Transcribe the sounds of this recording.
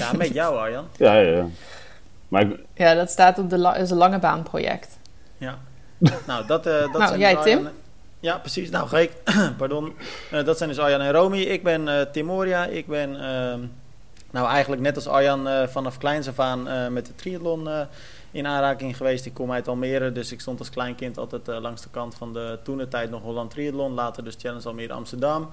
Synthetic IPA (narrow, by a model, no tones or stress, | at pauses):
jamɛtjawɔjɔna | ma | jadɔtstaːtɔpdəsəlɑŋəba̰ːnpro̰jɛ̰kt | ja | nawdɔtdɔnjɛjtɪm | japrəsisnawxekpardondɔtsɛjndøsɔjanɪnrowmiɪɡ̚bɪnətɪmoːɾiaʔɪɡ̚bɪnə | awɛjɣəndləknɛtɑlˠsɔ̰janfɔnɔfklɛjns̬əfaːnəmɛt̚dətriədlonə | ɪnaːnraːkɪŋχəʋeːstɪkːomɛjtɔlˠmɪəɾədøsɪkstontɑlˠsklɛjnkɪntɔ̰lˠtɛjtlɑŋsdəkɑntfɔndətunətɛjtnɔxʋolˠantriədlonlaːtərdøstʰjɛlənsɔlˠmɪəɾɑ̰mstərdam